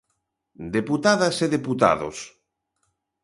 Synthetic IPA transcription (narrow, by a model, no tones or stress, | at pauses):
d̪eput̪aðɐseðeput̪a̰ðo̰s